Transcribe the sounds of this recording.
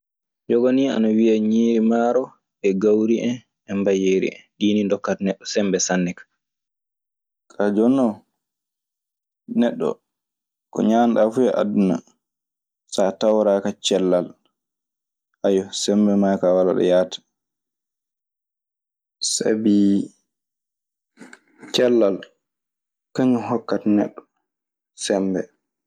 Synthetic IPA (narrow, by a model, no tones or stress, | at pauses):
d͡ʒɔɡonia̰nawiaɲiːɾimaːɾɔ | ɛɡawɾiʔɛn | ɛmbajeɾḭʔɛ̰nɗiːnindɔkːatnɛɗːɔsɛmbɛsanːɛkḁ | kʰad͡ʒɔnɔ | nɛɗːɔ̰ | kɔ̰ɲanɗafujɛʔa̰duna̰ | satawɾakat͡ʃɛlːal | ʔajɔsɛmbɛmajkawala̰ɗɔ̰jatḁ | sa̰bi | t͡ʃɛlːal | kaɲuhɔkːatanɛ̰ɗːɔ | sɛmbɛ